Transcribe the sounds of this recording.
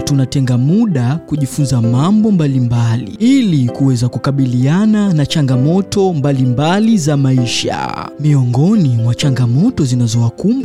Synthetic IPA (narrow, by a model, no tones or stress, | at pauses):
tunatɛŋɡamuɗakuʄifunzamambɔmbalimbalḭilikuwɛzakukaɓiliananat͡ʃaŋɡamɔtɔmbalimbalizamaiʃa̰miɔŋɡɔnimwat͡ʃaŋɡamɔtɔzinazɔwakumb